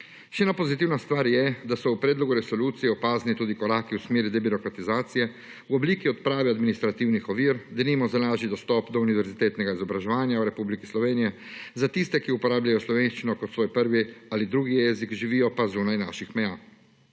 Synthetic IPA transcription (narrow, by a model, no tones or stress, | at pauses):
ʃɛɛːnapɔzit̪iwnast̪ʋaːɾjɛd̪asɔwpɾɛd̪lɔɡuɾɛsɔluːt̪sijɛɔpaːznit̪uːd̪ikɔɾaːkiwsmeːɾid̪ɛbiɾɔkɾat̪izaːt̪sijɛ | wɔbliːkiɔt̪pɾaːʋiad̪minist̪ɾat̪iwnixɔʋiːɾd̪ɛnimɔzalaːʒid̪ɔst̪ɔpd̪ɔuniʋɛɾzit̪eːt̪nɛɡaizɔbɾaʒɛʋaːnjawɾɛpubliki̥slɔʋeːnijɛ | zat̪ist̪ɛkiupɔɾaːblʲajɔslɔʋeːnʃt͡ʃinɔkɔt̪sʋoːjpəɾʋialid̪ɾuːɡijɛzikʒiʋiːjɔpazuːnajnaːʃixmɛjaː